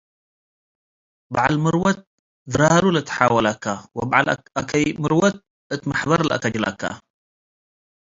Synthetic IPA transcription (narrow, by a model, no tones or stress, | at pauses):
baʕalmɨɾwɐt̪̚ | ðɨɾaɾulɨt̪ħaːwɐlakːawɐbaʕal | akʰɐjmɨɾwɐt̪̚ | ɨt̪maħbɐɾˤlʔa̰kad͡ʒilʔa̰kːa̰